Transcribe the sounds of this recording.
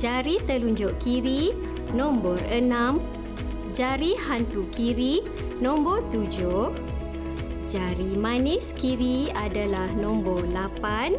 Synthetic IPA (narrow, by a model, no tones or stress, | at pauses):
d͡ʒaɾit̪əluɲd͡ʒʊʔkiɾi | nɔ̃mbɔrənãm | d͡ʒaɾihant̪ukiɾi | nɔ̃mbɔrt̪ud͡ʒʊh | d͡ʒaɾimãniskiɾiadalahnɔ̃mbɔrlapan